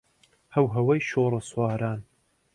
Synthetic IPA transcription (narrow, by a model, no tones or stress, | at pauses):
hɐwɦɐwɐjʃoːɾˤɨswɑːɾaːn